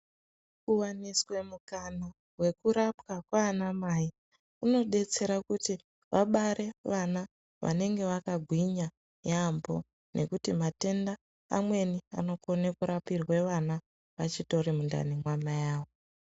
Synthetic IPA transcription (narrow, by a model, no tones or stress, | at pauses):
uwaniswe̞mukana | we̞kuɾapwakwaːnamai | uno̞ɗe̞t͡se̞ɾakuti | ʋaɓaɾe̞ʋana | ʋʔa̰ne̞ŋɡe̞ʋakaɡʱwiɲa | jambo̞ | nʔe̞kutimate̞nda̰ː | mwe̞nia̰no̞ko̞nekuɾapirwe̞ʋana | ʋat͡ʃito̞rimunda̰nimwamajaːʋo